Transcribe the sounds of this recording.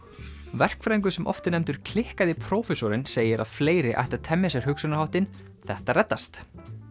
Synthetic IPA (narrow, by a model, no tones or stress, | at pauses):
vɛr̥kfɾajŋk̬ʏsɛmʔɔ̰ft̪ɪnɛmt̪ʏɾ̥kʰlɪhkaðɪpʰɾoːwfɛsɔɾɪnseːjɪɾa̰ðfleːjɾɪʔa̰jht̪at̪ʰɛmːɪsɛɾ̥hʏksʏnahawht̪ɪn | θɛht̪aɾrɛt̪ːast̪